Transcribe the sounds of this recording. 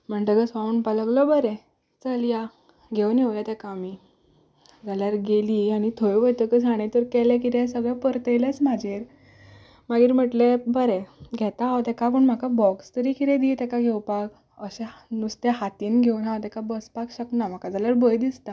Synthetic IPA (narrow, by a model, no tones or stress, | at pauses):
m̤əɳʈ̪əkəsʋauɳpaləɡlɔbəɾɛ | t͡səlja | ɡʱewneʋljat̪ɛkaːmi | d͡zaljaɾɡeliːaɽ̃it̪ʰojʋəjt̪əkəd͡zʱaɽ̃ẽt̪əɾkɛlɛkit̪ɛ̃səɡɭapəɾt̪əjlasm̤ad͡ʑʱeɾ | maɡiːɾm̤əʈlebəɾɛ̃ɡʱɛt̪aɦawt̪ɛkap̬əɳm̤akabɔkst̪əɾikit̪ɛ̃d̪it̪ɛkaɡʱewpak | əɕenust̪eɦat̪inɡʱewnɦawt̪ɛkabəspakɕəknam̤akad͡zaljaɾbəjd̪ist̪a